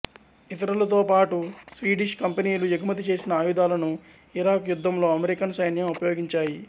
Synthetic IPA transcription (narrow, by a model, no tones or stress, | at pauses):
it̪ɐɾɐlɐt̪o̞ːpaːʈusʋiːɖiʃkɐmpeniːlujɐɡʱumɐt̪̬it͡ʃe̞ːsinɐaːjud̪aːlɐnu | iɾaːkjud̪ʱːɐmlo̞ːɐmeɾikɐnsɐjnjɐmupɐjo̞ːɡiɲt͡ʃaːji